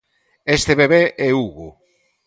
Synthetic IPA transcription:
est̪eβeβeʔɛuɣʊ

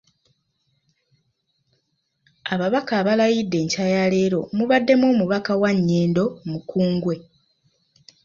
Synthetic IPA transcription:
aβaβakaːβalajidːe̞ːɲcajale̞ːɾo̞muβadːe̞mwo̞ːmuβakawaɲːeːndo̞mukuːŋɡwe̞

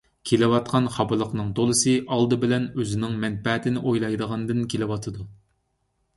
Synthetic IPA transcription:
kʲʰelɪwɑt̪̚qʰɑnχɑbɨlˠəqnɨŋd̪olˠɨsɨʔɑlˠd̪ɨbɪlɛnøzɪnɪŋmɛnpɛt̪ʰɪnɪʔojlˠɑjd̪əʁɑnd̪ɨnkʲʰelɪwɑt̪ʰɨd̪u

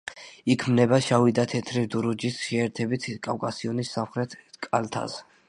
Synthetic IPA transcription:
ikʰmnɛbaʃavid̪at̪ʰɛt̪ʰɾid̪uɾud͡ʒisʃɛːɾt̪ʰɛbit̪ʰkʼawkʼasiɔnisːamχɾɛt̪ʰkʼalt̪ʰa̰s

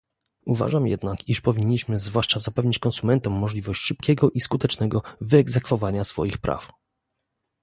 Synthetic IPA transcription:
uva̰ʐamjɛ̰d̪nakiʂpɔvʲiɲːiɕmɘzvwaʂt͡ʂazapɛvɲit͡ɕkɔnsumɛnt̪ɔmːɔʐlʲivɔɕt͡ɕʂɘp̚kʲɛɡɔʔiskut̪ɛt͡ʂnɛɡɔvɘɛɡzɛkfɔvaɲasfɔ̰jixpɾa̰f

